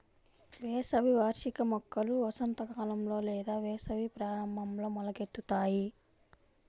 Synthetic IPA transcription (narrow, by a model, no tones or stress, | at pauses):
ʋɛːsɐʋiʋaːɾʂikɐmɐkːɐluɐsɐnt̪ɐkaːlɐmlo̞ːlɛːd̪aːʋɛːsɐʋipɾaːɾɐmbʱɐmlo̞ːmɐlɐɡet̪ːut̪aːji